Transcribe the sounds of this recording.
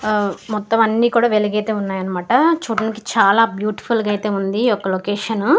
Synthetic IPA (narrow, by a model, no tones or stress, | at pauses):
mɔt̪ːɐmɐnːiːkuːɽaːʋeliɡeːt̪e̞ːunːaːjɐnɐmaːʈɐt͡ʃuʈɐnki̥t͡ʃaːlaːbjuːʈi̥pʰulɡɐjt̪e̞ːund̪iɔkːɐlokeːʂɐn